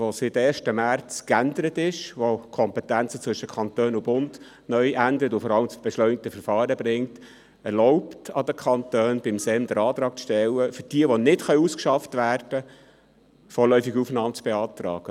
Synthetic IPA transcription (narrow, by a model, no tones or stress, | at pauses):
ʋositeːʃtəmært͡skænd̪əɾətɪʃʋokʰɔmpɛtænt͡sət͡sʋɵʃəkʰɑnt̪øːnʊbʊnd | nœʏʔændəɾətʊfɔɾɑləmt͡sb̥eʃlœʏnɪk̚təfəɾfɑːɾəbɾɪŋt | ɛɾlɔʊptɑd̪əkʰχɑntøːnb̥ɪmsɛmd̥̪əɾɑːt̪ɾɑːk̚t͡sʃtɛlːəfʏɾd̥iəʋonɪtχœʏuskʃɑftʋæːrd̥ə | fɔːlœʏfɪɡufnɑːmt͡sb̥eɑːtɾɑ̰ːɡ̥ə